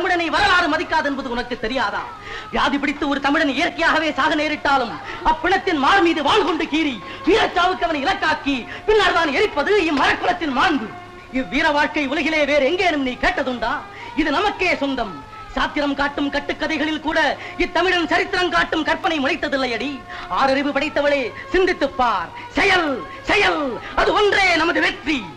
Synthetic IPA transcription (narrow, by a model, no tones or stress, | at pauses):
ɐmɪɽɐnɐɪʋɐɾɐlaːɾɯmɐðɪkːaːðɛnbɐðɯʊnɐkːɯt̪ːɛɾɪjaːða̰ː | ʋjaːðipɪɽɪt̪ːɯɔɾɯt̪ɐmɪɽɐnɪjɐɾkɐjaːɣɐʋeːsaːɣɐneːɾɪʈːaːlɯmɐpːɪɳɐt̪ːɪnmaːɾmiːðɯʋaːɭkɔɳɖɯkiːɾi | piːɾɐt͡ʃːaːʋɯkːɯɐʋɐnɐɪɪlɐkːaːkipɪnːaːɭðaːnɛɾɪpːɐðɯɪmːɐɾɐkːɐɳɐt̪ːɪnmaːɳb̪ɯ | ɪʋːiːɾɐʋaːɻkɐɪʊlɐɣɪleːʋeːɾɛŋɡeːnɯmniːkeːʈːɐðɯɳɖaː | ɪðɯnɐmɐkːeːsɔnd̪ɐm | saːt̪ːɪɾɐmkaːʈːɯmkɐʈːɯkːɐðɐɪɣɐɭɪlkuːɽɐ | ɪt̪ːɐmɪɽɐnt͡ʃɐɾɪt̪ːɪɾɐmkaːʈːɯmkɐɾpːɐnɐɪmʊɻɐɪt̪ːɐðɪlːɐjɐɽi | aːɾɐɾɪʋɯpɐɽɐɪt̪ːɐʋɐɭeː | sɪnd̪ɪt̪ːɯpːaːɾ | sɛjɐl | sɛjɐl | ɐðɯɔndreːnɐmɐðɯʋɛt̪ri